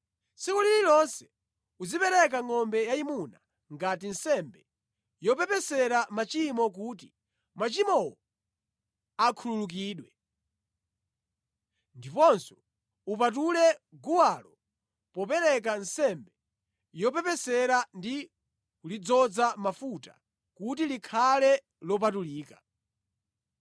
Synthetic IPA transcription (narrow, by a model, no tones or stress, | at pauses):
sikulililɔnsɛ̥ | ud͡zipɛɾɛk̬aŋɔmbɛjaimuna | ŋɡatinsɛmbɛ | jɔpɛpɛsɛɾamat͡ʃimɔk̬uːt̬i | mat͡ʃimɔwɔ | akʰululuk̬iːɗwɛ | ndipɔnsɔ̥ | upat̬ulɛɡuwalɔ | pɔpɛɾɛk̬ansɛmbɛ | jɔpɛpɛsɛɾandi | kulid͡zɔd͡zamafuta̰ | kut̬ilikʰalɛ | lɔp̬atuliːka